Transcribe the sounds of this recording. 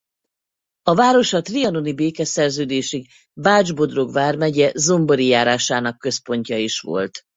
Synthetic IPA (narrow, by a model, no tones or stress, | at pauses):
ɒvaːɾo̞ʃɒt̪riɒno̞nibeːkɛsɛrzøːd̪eːʃiɡ | baːd͡ʒbo̞d̪ro̞ɡvaːrmɛɟɛzo̞mbo̞ɾijaːɾaːʃaːnɒkːø̞spo̞ɲcɒiʃʋo̞̰lt̪